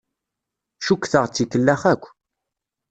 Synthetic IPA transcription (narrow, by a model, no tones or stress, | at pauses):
ʃukːθəʁt͡sːikəlːæχækʷː